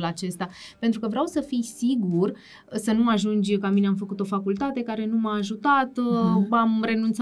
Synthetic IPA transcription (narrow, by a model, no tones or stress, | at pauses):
lat͡ʃe̞st̪ape̞nt̪ɾukəvɾeawsəfijsiɡur | sənuaʒund͡ʒʲkamineamfəkut̪o̞fakult̪at̪e̞kaɾe̞numaːʒut̪at̪amre̞nunt̪s